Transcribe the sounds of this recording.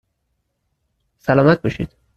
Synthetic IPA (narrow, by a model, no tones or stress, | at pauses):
sælɒːmæt̪̚bɒʃḭːd̪̥